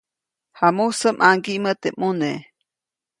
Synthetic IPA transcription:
hamusəmʔaŋɡiʔmət̪emune

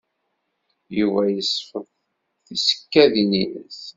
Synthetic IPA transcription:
juvæjəsːfəðˤ | θisə̥kːæðininə̰s

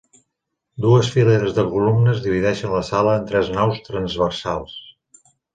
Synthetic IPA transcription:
d̪uəsfileɾəzðəβulumnəzðiβ̞iðɛʃənləsaləːnt̪ɾɛznawst̪ɾənzβəɾsalˠs

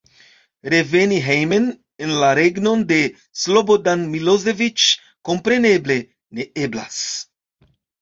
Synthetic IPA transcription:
ɾe̞veniɦejmen | enlaɾeɡno̞nd̪e̞ | slobodanmilozevit͡ʃ | ko̞mpɾe̞ne̞ble | ne̞ebla̰s

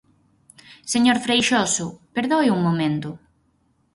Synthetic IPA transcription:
seɲoɾfɾejʃɔsʊpeɾðojuŋmomẽnt̪ʊ

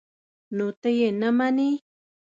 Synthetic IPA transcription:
nut̪ejenamani

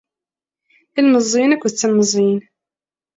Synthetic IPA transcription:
ilməzˤːinækʷːðət͡sːəməzˤin

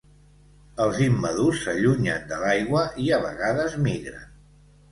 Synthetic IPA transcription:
əlˠzimːəðusəʎuɲa̰n̚d̪əlajɣwəʔiəβə̰ɣaðəzmiɣɾə̰n

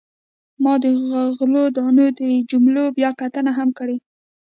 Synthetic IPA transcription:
mɑd̪əɣaɣlod̪ɑnod̪əd͡ʒumlobjɑkat̪ənaɦamkəɽe

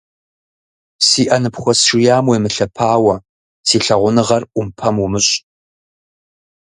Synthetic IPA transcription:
siːʔɐnɨpχʷɔsʂɪjaːmweːmɨɬɐpʰaːwɐ | siːɬɐʁʷʊnɨʁɐrʔʷʊmpʰɐmumɨɕʼ

